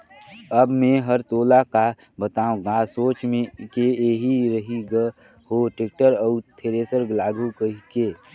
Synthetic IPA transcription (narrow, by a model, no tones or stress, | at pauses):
əbmẽɦəɾt̪oːlaka | bət̪aːõɡãsoːt͡ʃmẽkeeːɦiɾəɦiɡə | hoʈek̚ʈəɾəʊt̪ʰeɾesəɾɡlaːɡʱukəɦikeː